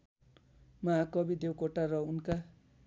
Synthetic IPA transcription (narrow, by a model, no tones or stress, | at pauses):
mʌakʌbid̪ewkoʈaɾʌunka